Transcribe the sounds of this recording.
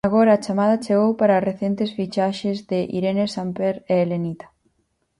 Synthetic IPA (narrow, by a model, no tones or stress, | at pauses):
aɣoɾaːt͡ʃamaðɐt͡ʃeɣowpaɾaːreθent̪esfit͡ʃaʃezðɪʔḭɾenesampeɾeːlenit̪ḁ